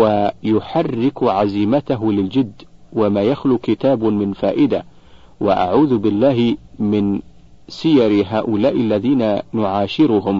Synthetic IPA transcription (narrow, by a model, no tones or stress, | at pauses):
wajʊħarːɪkʕaziːmat̪aɦlɪld͡ʒɪd̪ːwamaːjaxluːkɪt̪aːbmɪnfaːʔɪd̪a | wa̰ʔa̰ʕuːðbɪlːaːɦɪmɪn | sɪjɑɾɦaːʔʊlaːʔɪlːaðiːnanʊʕaːʃɪɾʊɦʊm